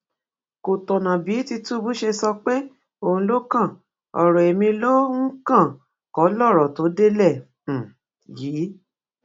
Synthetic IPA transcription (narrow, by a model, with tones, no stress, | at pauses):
ko˨tɔ˨nã˨bi˨˦ti˧tu˦bu˦ʃe˧sɔ˧k͡pe˦ | o˦˨ũ˧˦lo˦kã˦˨ | ɔ̰˨ɾɔ˨e˨mĩ˧lo˦ŋ̩˦kã˦˨ | kɔ˨˦lɔ˦˨ɾɔ˨to˨˦de˦lɛ˦˨ | jiː˨˦